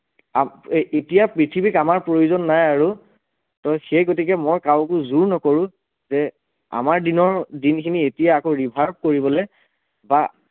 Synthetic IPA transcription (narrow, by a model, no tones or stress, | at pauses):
aetijapɹitʰibikamaɹpɹojuzɔnːajaɹu | tɔjxejɡotikɛmɔjkawk̬ʊzuɹnɔkoɹũ | zɛ | a̰maɹdinɔɹdinkʰinietijaːkoɹibʱaɹb̚koɹibɔlɛ | ba